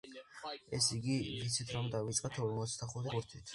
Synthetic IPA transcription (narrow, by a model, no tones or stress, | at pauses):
ɛsiɡivit̪sʰit̪ʰɾɔmd̪avit̪sʼqʼat̪ʰɔɾmɔt̪sʰd̪aχut̪ʰikuɾt̪ʰit̪ʰ